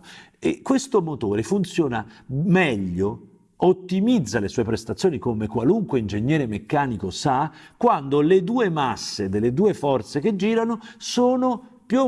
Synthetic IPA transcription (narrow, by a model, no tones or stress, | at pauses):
ḛkːwest̪omot̪oːɾefunt̪sjoːnamɛʎːo | ot̪ːimid̪zːalesuɔepɾest̪at̪sjoːnikomekwaluŋkweind͡ʒeɲːɛːɾemekːaːnikosakwand̪oled̪uːemasːed̪elːed̪uːefɔrt̪sek̟ed͡ʒːiːɾanosoːnopju